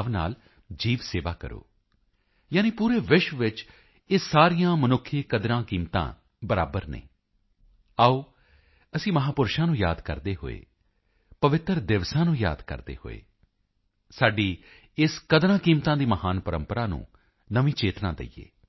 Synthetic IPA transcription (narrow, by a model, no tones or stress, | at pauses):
ʋna̰ːl | d͡ʒiːʋseːʋaːkə̰ɾo̰ː | jaːniːpuːɾeːʋɪʃʋʋɪt͡ʃ | ɪsːaːɾijãːmənʊkʰːeːkəd̪ɾãːkiːmt̪ã̰ː | bəɾa̰ːbəɾnḛ̃ː | aːoː | əsĩːməɦaːpʊɾʃãːnũːjaːd̪kə̰ɾd̪eːɦo̰ːḛː | pəʋɪt̪ɾd̪ɪʋsãːnũːja̰ːd̪kə̰ɾd̪ḛːho̰ːḛː | saːɖiː | ɪskəd̪ɾãːkiːmt̪ãːd̪iːməɦaːnpəɾəmpəɾaːnṵ̃ː | nəʋĩːt͡ʃeːt̪nã̰ːd̪ḛijḛː